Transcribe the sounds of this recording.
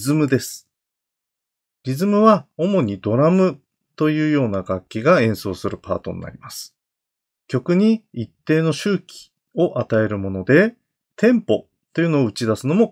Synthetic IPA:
zɨmɯ̟d̪e̞sɨ̥ | ɾʲizɨmɯ̟βao̞mo̞ɲ̟id̪o̞ɾamɯ̟ | t̪o̞jɯːjo̞ːnaɡakʲːiɡaẽ̞ɰ̃so̞ːsɨɾɯ̟pa̰ːt̪o̞̰nḭːa̰ɾʲimasɨ̥ | kʲo̞kɯ̟ɲ̟iit̪ːe̞ːno̞ɕɨːkʲi̥ | o̞ʔat̪ae̞ɾɯ̟mo̞no̞d̪e̞ | t̪ʰẽ̞mpo̞ | t̪ːo̞jɯ̟no̞ːɯ̟t͡ɕid̪asɨno̞mo̞

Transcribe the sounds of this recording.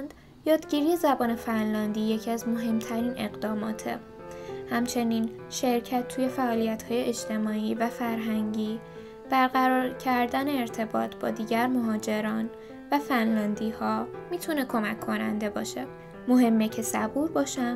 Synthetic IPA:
nd̪̥ | jɒːd̪ɟiɾiːje̞zæbɒːne̞fænlɒːnd̪iːje̞cʰiæzmoɦe̞mt̪ʰæɾiːnʔe̞ɣd̪ɒːmɒ̰ːt̪ʰḛ | hæmt͡ʃʰe̞niːn | ʃe̞ɾcʰæt̪ʰːuːje̞fæʔɒːlijæt̪hɒːje̞ʔed͡ʒt̪ʰe̞mɒːiːvæfæɾɦæŋɟiː | b̥æɾɣæɾɒːɾcʰæɾd̪æne̞ːɾt̪ʰe̞bɒ̰ːt̪ʰb̥ɒ̰ːd̪iːɟæɾmo̞ɦɒːd͡ʒe̞ɾɒːn | væfænlɒːnd̪iːhɒːmiːt̪ʰune̞kʰo̞mæcʰːo̞næ̰nd̪e̞bɒːʃe̞ | mo̞ɦe̞mːecʰe̞sæbuːɾbɒːʃæn

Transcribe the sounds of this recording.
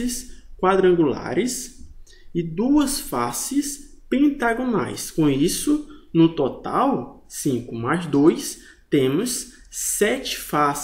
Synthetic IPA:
ɪskwad̪ɾɐ̃ŋɡula̰ɾɪs | ɪd̪uɐsfasɪs | pẽt̪aɡõna̰jskõisʊnʊt̪ot̪a̰w | sĩkʊmazd̪ojs | t̪ẽmʊsː | ɛt͡ʃɪ̥fas

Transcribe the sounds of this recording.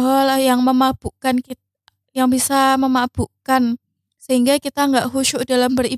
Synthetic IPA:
ɦɔljaŋməmab̥uʔkankit̪̚a | jaŋbisaməmab̥uʔkan | səɦiŋɡakit̪aŋɡaʔɦuʃʊʔdalambəri

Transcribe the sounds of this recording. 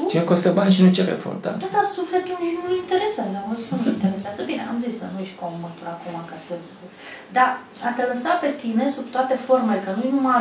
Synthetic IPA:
t͡ʃinekost̪əbanʲʃinut͡ʃeɾḛfo̰ɾt̪a̰ad̪asuflet̪ulnuint̪eɾesənaməzinunuint̪eɾeseasəbinḛʔa̰mzissənujeʃt̪ʲkomət̪uɾakumakasɨ | d̪a | at̪eləsape̞t̪ine̞subt̪oat̪e̞fo̞rme̞lekənujnuma

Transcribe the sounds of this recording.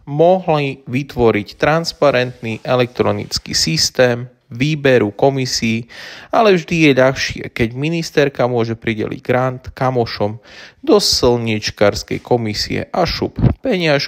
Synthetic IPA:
mɔɦliʋit̪ʋɔɾict̪ɾanspaɾɛnt̪niʔɛlɛk̚t̪ɾɔnḭt͡skḭsist̪ɛːm | ʋiːbɛɾukɔmisiːalɛvʒd̪ijɛʎaxʃɪɛ̰kɛɟminist̪ɛɾkamʊɔʒɛpɾiɟɛ̰lḭɟɡɾant̪kamɔʃɔmd̪ɔslɲit͡ʃkaɾskɛ̰jkɔmisḭɛ̰ʔaʃuppɛɲɪaʃ

